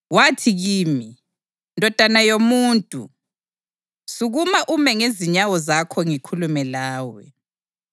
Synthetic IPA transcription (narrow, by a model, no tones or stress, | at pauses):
watʰiɣiːmi | ndʱɔd̥ʱanajomuːntʼṵ | suɣumaʔumɛŋeziɲawɔzakʰɔŋikʰulumɛlaːwɛ̰